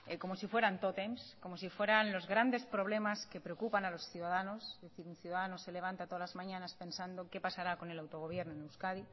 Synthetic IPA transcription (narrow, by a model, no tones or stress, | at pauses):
eko̞mo̞sifwe̞ɾant̪o̞t̪emsko̞mosifwe̞ɾanlo̞zɣɾand̪e̞spɾo̞β̞le̞maske̞pɾeo̞kupanalo̞sθjuðaðano̞zðeθiɾunθjuðaðanose̞le̞β̞ant̪at̪oðalazmãɲãnaspẽ̞nsand̪oke̞pasaɾako̞ne̞lawt̪o̞ɣ̞o̞β̞je̞ɾnoenewskaði